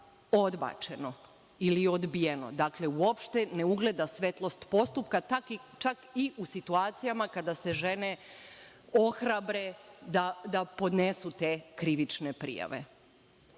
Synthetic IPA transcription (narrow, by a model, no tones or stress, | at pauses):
o̞d̪ba̰ːt͡ʃe̞no̞ | ilio̞d̪bije̞no̞̰d̪akle̞uo̞pʃt̪e̞neuɡle̞d̪asʋe̞t̪lˠo̞st̪po̞st̪upkatakit͡ʃakiʔusit̪uaːt̪sijamakad̪ase̞ʒe̞ne̞ | oxɾabɾe̞d̪ad̪apo̞d̪nesut̪e̞kɾiʋit͡ʃnepɾḭja̰ʋḛ